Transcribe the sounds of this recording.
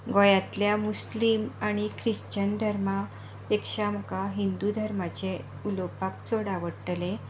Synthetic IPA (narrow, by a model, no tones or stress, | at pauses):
ɡɔjat̪ljamuslimaɽ̃ikʰɾiɕt͡ɕənd̪ʱəɾma | pekʂamkaɦind̪ud̪ʱəɾmat͡ɕe | ulopakt͡soɽaʋəɽʈle